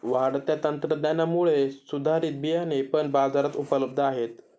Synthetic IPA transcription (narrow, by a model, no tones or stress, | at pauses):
ʋaɽt̪jat̪ənt̪ɾəd̪janamuɭesud̪ʱaɾiːt̪̚bijanepəɳbad͡zaɾat̪upələb̚d̪ʱəaɦet̪